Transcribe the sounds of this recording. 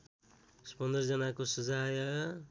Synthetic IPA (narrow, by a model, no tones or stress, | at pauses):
spʌnd̪ʌrd͡zʌnakosʌd͡zajʌ